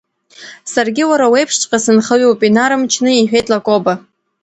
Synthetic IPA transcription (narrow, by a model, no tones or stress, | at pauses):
sarɡʲiwaɾawejpʰʂt͡ʃʼqʼasɨnχəɥupʼinaɾɨmt͡ʃʰnɨiħᶣe̞jtʼlakʷʼoba